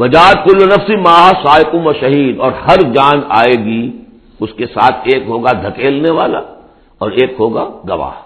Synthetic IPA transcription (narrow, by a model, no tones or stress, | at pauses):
ʋɐd͡ʒaːt̪̚kʊlːnɐfsimaːɦasaːɪkʊ̃mʋɐʃɐɦiːd̪ɔːɾhɐɾd͡ʒaːna̰ːeːɡi | ʊskesaːt̪ʰeːkɦoːɡad̪ʱɐkeːlneʋaːla̰ | ɔːɾeːkɦoːɡaɡɐʋa̰ː